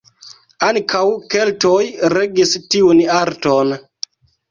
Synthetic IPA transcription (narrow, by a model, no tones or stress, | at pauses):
aŋkʰawke̞ltojɾeɡistiunaɾton